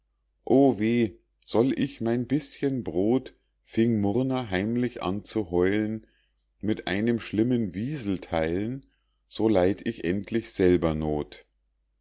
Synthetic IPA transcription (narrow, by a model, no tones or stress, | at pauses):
ʔoːveː | z̥ɔlʔɪçmaɪnbɪsçənbʁoːt | fɪŋmʊʁnɐɦaɪmlɪçʔa̰nt͡suɦɔʏlən | mɪtʔa̰ɪnəmʃlɪmənviːzl̩tʰaɪlən | z̥oːlaɪtɪçʔɛntʰlɪçz̥ɛlbɐnoːt